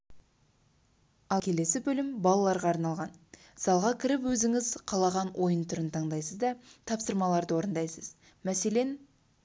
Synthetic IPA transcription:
ɑlˠkʲʰe̞le̞sɪbɵlɪmbɑlˠɑlˠɑɾʁɑːɾnɑlˠʁɑn | sɑlˠʁɑkʲʰɪɾɪpwɵzɪŋɪzqʰɑlˠɑʁɑnwʔo̞jənt̪ʰʊɾənt̪ʰɑɴd̪ɑjsəzd̪ɑt̪ʰɑpsəɾmɑlˠɑɾd̪əwo̞ɾənd̪ɑjsəz̥ | mæse̞le̞n

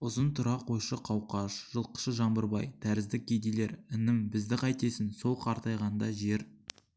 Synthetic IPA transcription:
ʊzənt̪ʰʊɾɑqʰo̞jʃəqʰɑwqɑʃʒ̥əlˠqə̥ʃəʒɑmbəɾbɑjt̪ʰæɾɪzd̪ɪk̚ʲɡʲed̪ele̞ɾɪnɪmbɪzd̪ɪqʰɑjt̪e̞sɪnso̞lˠqʰɑɾt̪ɑjʁɑnd̪ɑʒe̞ɾ

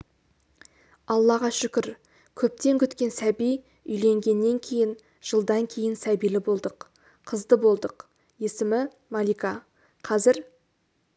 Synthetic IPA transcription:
ɑlˠːɑʁɑʃʏkʲɪɾ | kʲʰɵp̚t̪e̞ŋkʲʰʏt̪kʲe̞nsæbij | ʏjle̞ŋɡʲe̞nːe̞ŋkʲʰe̞jɪn | ʒ̥əlˠd̪ɑŋkʲʰe̞jɪnsæbijlɪbo̞lˠd̪əqʰ | əzd̪əbo̞lˠd̪əq | je̞sɪmɪ | mɑlijkɑ | qʰɑzɪɾ

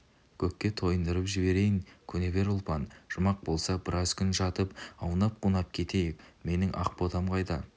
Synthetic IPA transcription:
kʲʰɵkʲːe̞t̪ʰo̞jənd̪əɾəpʒɪbe̞ɾe̞jɪŋkʲʰɵne̞be̞ɾʊlˠpɑnʒ̥ʊmɑq̚bo̞lˠsɑbɪɾʔɑzkʲʰʏnʒɑt̪əpɑwnɑp̚qʰunɑp̚kʲʰe̞t̪e̞jɪkme̞nɪŋʔɑ̰q̚pot̪ɑmqʰɑjd̪ɑ

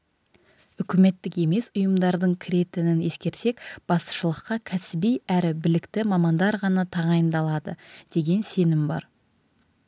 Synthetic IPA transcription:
ʏkʲɪme̞t̪ːɪke̞me̞sʊjəmd̪ɑɾd̪əɴkʲʰɪɾe̞t̪ɪnɪne̞skʲe̞ɾse̞kb̥ɑst̪ə̥ʃəlˠəqːɑkʲʰæsɪbijæɾɪbɪlɪkt̪ɪmɑmɑnd̪ɑɾʁɑnɑt̪ʰɑʁɑjənd̪ɑlˠɑd̪əd̪̥e̞ɡʲe̞nse̞nɪmbɑ̰ɾ

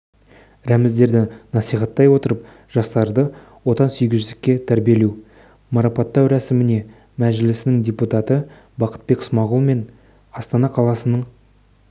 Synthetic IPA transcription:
ɾæmɪzd̪e̞ɾd̪ɪnɑsijχɑt̪ːɑjwo̞t̪əɾəp | ʒ̥ɑst̪ɑɾd̪ə | wo̞t̪ɑnsʏjɡʲɪzʒʏzɪkʲːe̞t̪ʰæɾbije̞lew | mɑɾɑpɑt̪ːɑwɾæsɪmɪne̞ | mæʒɪlɪsɪnɪŋdʲe̞put̪ɑt̪ə | bɑqə̥t̪̚be̞ksmɑʁʊlˠme̞n | ɑst̪ɑnɑqʰɑlˠɑsənəɴ

